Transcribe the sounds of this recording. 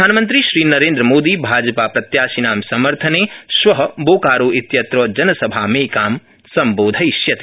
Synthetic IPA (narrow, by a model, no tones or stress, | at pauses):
aːnmɐnt̪̬ɾiʃɾiːnɐɾẽːnd̪ɾəmoːd̪iːbʱaːd͡ʒɐpaːpɾɐt̪jaːsinaːmsɐmɐɾt̪ʰɐneːʃʋɐɦɐboːkaːɾoːʔit̪jɐt̪ɾoːd͡ʒɐnɐsɐbʱaːmẽːkaːm | sɐmboːd̪ʱɐjʃjɐt̪